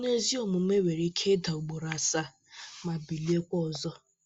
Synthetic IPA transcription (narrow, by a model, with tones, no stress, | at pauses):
ne˦zi˦ɔ˨mʊ˨˦me˦we˨ɾi˦kʰe˦da˨u˨ɡ͡bo˨ɾa˨sa˦ | ma˨bi˨li˦e˦kʷɔ˦˨zɔ˦